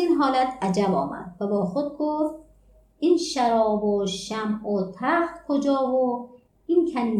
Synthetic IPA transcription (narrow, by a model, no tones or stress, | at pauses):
iːnɦɒːlæt̪ʰʔæd͡ʒæbɒ̰ːmæ̰d̪̥væbɒːxod̪̚ɡoft̪ | ʔiːnʃæɾɒːboʃæmot̪ʰæxt̪kʰod͡ʒɒːbo | ʔinkʰænd̪